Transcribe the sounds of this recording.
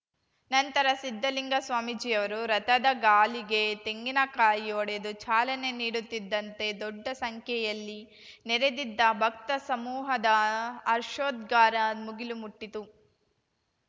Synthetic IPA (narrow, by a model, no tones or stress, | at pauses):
nɐnt̪ɐɾɐsid̪ʱːɐliŋɡɐsʋaːmid͡ʒiːjɐʋɐɾuɾɐt̪ɐd̪ɐɡaːliɡe̞t̪eŋɡinɐkaːjijoːɽed̪ut͡ʃaːlɐne̞niːɽut̪ːid̪ːɐnt̪e̞d̪ɔɖːɐsɐŋkʰjɛjɐlːi | neɾed̪id̪ːɐbʱɐk̚t̪ɐsɐmuːɦɐd̪ɐːɾʃoːd̪ɡaːɾɐmuɡilumuʈːit̪u